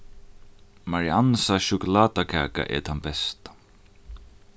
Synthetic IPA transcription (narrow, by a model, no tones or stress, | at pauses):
maɹiansaʃʊkʊlaːt̪akʰa̰ːka̰ʔɛ̰t̪ʰanbɛst̪ḁ